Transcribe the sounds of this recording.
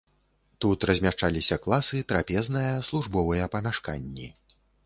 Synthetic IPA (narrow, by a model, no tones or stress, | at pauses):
t̪ut̪ɾɐzʲmʲaʂt͡ʂalʲisʲɐklˠasɨt̪ɾapʲɛznɐjɐslˠuʐbɔvɐjɐpɐmʲaʂka̰nʲːi